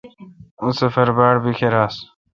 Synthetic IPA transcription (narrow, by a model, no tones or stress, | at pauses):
usefɐɾbaːɽbikʰeɾaːs